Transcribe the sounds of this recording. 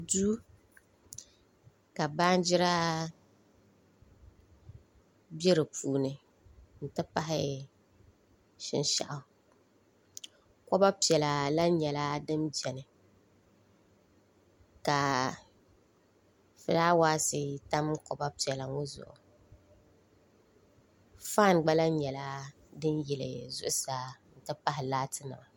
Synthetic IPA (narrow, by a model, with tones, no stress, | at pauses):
du˦ | ka˨baː˦n˦d͡ʒɪ˦ɾa˦ | bɛ˦ɾɨ˨puː˨nɨ˨ | n̩˨tɨ˦pa˦ɦɪ̰˦ | ʃɪ̰˦nʃa̰˨ʔʊ˨ | kɔ˦ba˦pi˨ɛ˨la˨la˦ɲɛ˨la˦dɨ˦md͡ʒɛ˨nɨ˨ | ka˨ | fɨ˨daː˦waː˦sɪ˦ta˦mkɔ˨ba˦pi˨ɛ˨la˨ŋo˦zʊ̰˨ʔʊ̰˨ | faː˦˨nɡ͡ba˦la˦ɲɛ˨la˦ | dɨ˦njɛ˨lɨ̰˨zʊ˦ʔʊ˦saː˨˦n̩˨tɨ˦pa˦ɦɪ˨laː˦tʰɨ˦nɨ̰˨ma˨